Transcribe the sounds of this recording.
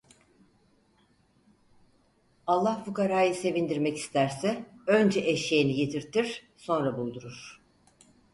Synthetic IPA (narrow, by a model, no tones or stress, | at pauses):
alˠːahfukaɾaːjɯse̞vind̪iɾmɛci̥st̪ʰæɾsɛø̞nd͡ʒɛʔeʃejinijet̪ʰiɾt̪ʰiɾ̥ | so̞nɾabulˠd̪uɾuɾ̥